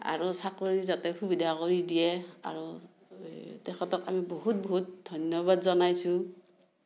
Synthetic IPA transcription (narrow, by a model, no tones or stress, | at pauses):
a̰ɹusakoɹizatɛxubidʱakoɹidijɛa̰ɹu | tɛkɔtɔkamiboɦut̚boɦut̚dʱɔnjɔβadzɔnajsʊ̃